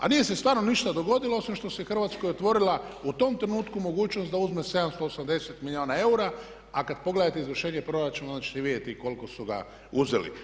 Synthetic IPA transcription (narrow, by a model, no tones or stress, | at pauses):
a̰nije̞se̞st̪ʋaːɾnoniʃt̪ad̪o̞ɡo̞d̪iloosʋimʃt̪o̞sexr̩ʋat̪skojot̪ʋo̞ɾilaut̪o̞mt̪ɾenuːt̪kumo̞ɡuːt͡ʃnosd̪auzmese̞d̪amst̪oːsamd̪e̞set̪milio̞ːnae̞uɾa | akad̪po̞ɡle̞d̪at̪eizʋər̩ʃeːɲepɾo̞ɾat͡ʃumnnat͡ʃi̥t̪iʋid̪jet̪iko̞liko̞suɡa̰ | uzḛlḭ